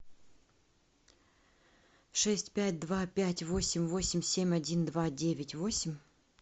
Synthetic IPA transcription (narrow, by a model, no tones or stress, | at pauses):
ʂɛsʲtʲpʲæt̚ʲd̪vapʲætʲvo̞sʲɪmʲvosʲɪmʲsʲemʲɐdʲind̪vadʲevʲɪtʲvo̞sʲɪmʲ